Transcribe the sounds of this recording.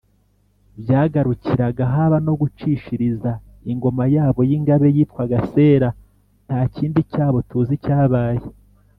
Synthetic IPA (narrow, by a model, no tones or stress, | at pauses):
bjaːɡaɾuciɾaɡaɦaβano̞ɡut͡ʃiʃiɾiza | iŋɡo̞majaːβo̞jiŋɡaβe̞jiːtkwaɡase̞ːɾa | ntaːciːndicaːβo̞tuːzicaːβaːje